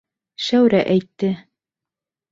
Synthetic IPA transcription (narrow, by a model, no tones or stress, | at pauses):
ʃæwɾæʔæjt̪ːɘ